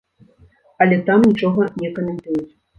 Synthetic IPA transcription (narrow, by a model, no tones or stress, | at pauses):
ɐlʲɛt̪amnʲit͡ʂɔɣɐnʲɛkɐmʲɛnt̪ujut͡sʲ